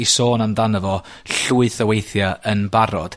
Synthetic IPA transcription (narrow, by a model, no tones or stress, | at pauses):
isoːnamdanəvɔ | ɬuɨθəwejθjaənbaɾɔ̰d̥